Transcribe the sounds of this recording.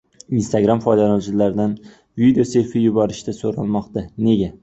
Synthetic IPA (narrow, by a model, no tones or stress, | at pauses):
inst̪aɡɾamfɒjd̪alɒt͡ʃʰɪlaɾd̪an | vid̪eoseɾfɪjʊbɒɾɪʃt̪asoɾalˠmɒqt̪ane̞ɡʲa